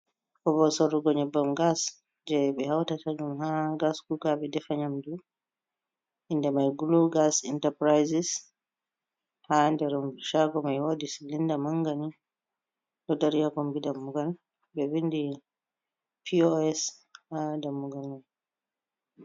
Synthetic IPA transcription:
kɔbɔsɔɾuɡɔɲɔbːamɡas | d͡ʒɛɓɛhawtataɗumɦaɡasɡuɡaɓɛdɛfaɲamdu | indɛmajɡuluɡasintapɾajsis | handɛɾumʃaɡɔmajwodisilindamaŋɡani | dɔdaɾijakɔmbidamːuɡal | bɛwindi | pioɛshadamːuɡalmaj

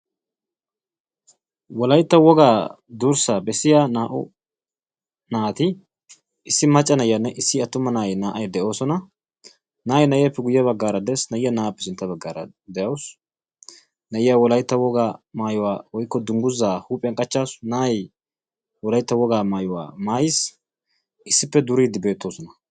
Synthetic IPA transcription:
wɔlɐjt̪ːɐwɔɡaː | d̪uɾsabɛsːɪjaːnaːʔʊ̰ | naːt̪ɪ | ɪsːɪmɐt͡ʃʼːɐnɐjːɐnːɛʔɪsːɪɐt̪ːʊmɐnaːjnaːʔɐjd̪ɛʔo̞ːsɔnɐ | naːjnɐjjɛpːɛɡʊjːɐβɐɡːaːɾɐd̪ɛːsnɐjːɐnaːpːɛ̥sɪnt̪ːɐbɐɡːaːɾɐ̰ | d̪ɛjɐws | nɐɪjɐwɔlɐjt̪ːɐwɔɡaːmaːjʊwaːwɔjkːɔd̪ʊŋɡʊzːaːhuːpʼɪjɐŋkʼɐt͡ʃːaːsnaːj | wɔlɐjt̪ːɐwɔɡaːmaːjʊwa̰ːmaːjɪs | ʔɪsːɪpːɛd̪ʊɾiːd̪ɪbe̞ːt̪ːo̞ːsɔnɐ

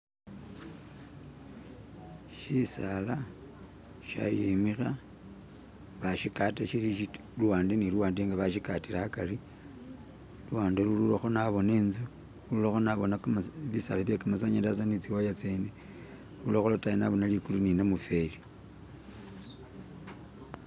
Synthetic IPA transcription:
ʃisala | ʃa̰jemixa | βaʃikataʃiliʃi | luwaːndeniluwaːndeŋɡaβaʃikatilakari | luwaːndelululaxo̞naβo̞neːnzu | uulaxo̞naβo̞naβisalaβjekamas̬aɲandasanit͡siwajat͡seːne | lulaxolotajinaβo̞nalikuluninamufe̞li

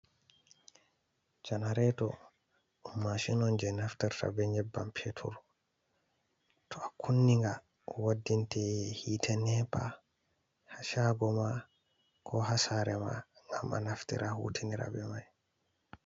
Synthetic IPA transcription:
d͡ʒanaɾɛtɔ̰ | maʃinɔnd͡ʒɛnaftaɾta̰bɛɲɛbːampʰetʰṵɾ | tʰɔakʰunːiŋɡa | wadːintɛhitʰɛnɛpa | haʃaɡɔma | kʰɔhasaɾɛma̰ŋɡa̰ma̰naftḭɾʔahṵːtʰiniɾa̰bɛmaj

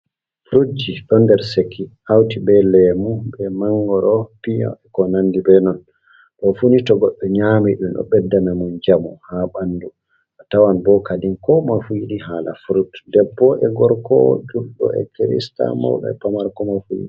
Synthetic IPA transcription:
fɾud͡ʒiɗɔndɛɾsekʰːiʔawtibɛlɛmubɛmaŋɡɔɾɔpiɲɔ̰ʔɛkɔnandibɛnɔn | ɗɔfunitɔɡɔɗːɔɲamiɗumɗɔ̰ɓɛdːamɛmund͡ʒamuhaɓandu | atawanbɔkadinkɔmafujiɗiɦaːla̰fuɾutdɛbːɔʔɛɡɔɾkɔ̰d͡ʒulɗɔ̰ʔɛ̰kiɾḭsta̰mɔ̰wɗɛ̰pamaɾkɔmafujḭɗi

